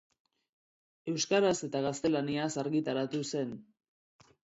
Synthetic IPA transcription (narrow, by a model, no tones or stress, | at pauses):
e̞wskaɾase̞t̪aɣast̪e̞laniasaɾɣit̪aɾat̪use̞n